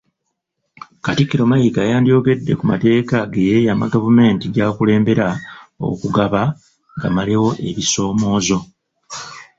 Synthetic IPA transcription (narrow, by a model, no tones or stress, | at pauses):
katikːiɾo̞maikaːjaːndijo̞ːɡe̞dːe̞kuma̰te̞ːkaɡejejaːma̰ɡavume̞ːntiɟaːkule̞ːmbe̞ɾao̞̰kuɡaβa | ŋɡamaliwo̞ʔe̞βiso̞ːmo̞ːzo̞